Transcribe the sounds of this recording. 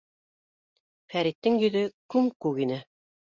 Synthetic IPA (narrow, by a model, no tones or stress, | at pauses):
fæɾit̪ːɘŋjɵ̆ðɵkʉmkʉɣinɘ